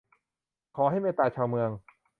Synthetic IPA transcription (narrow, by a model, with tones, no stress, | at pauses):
kʰɔː˩˦ɦa˥˩jmeː˥˩t̪aː˧t͡ɕʰaː˧wmɯ˧əŋ